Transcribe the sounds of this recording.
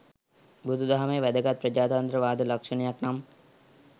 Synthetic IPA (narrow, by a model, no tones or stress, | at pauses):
bud̪ʱud̪aɦaməjəʋæd̪əɡat̪̚pɾəd͡ʒaːt̪ant̪ɾəʋaːd̪əlakʂənejaknam